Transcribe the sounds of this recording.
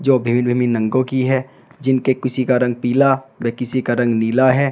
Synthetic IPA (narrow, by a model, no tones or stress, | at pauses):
d͡ʒoːbʱɪʋɪnbʱɪmɪnːə̃ŋɡõkiɦɛ | d͡ʒɪnkekɪsikaɾɐ̃ŋɡ̚piːlaʋəkɪsikaɾɐ̃ŋɡniːlaɦɛː